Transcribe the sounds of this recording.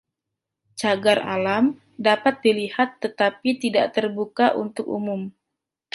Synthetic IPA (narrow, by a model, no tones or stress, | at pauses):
t͡ʃaɡara̰lam | dapat̪̚dilihat̪ːət̪apit̪idaʔt̪ərbukaʔṵnt̪ʊkṵmʊm